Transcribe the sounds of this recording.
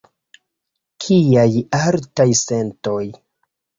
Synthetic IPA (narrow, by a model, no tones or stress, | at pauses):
kʰiajaltajsento̞j